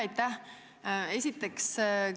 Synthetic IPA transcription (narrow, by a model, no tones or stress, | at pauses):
ɑjt̪ːæh | esʲit̪ːˑe̞ks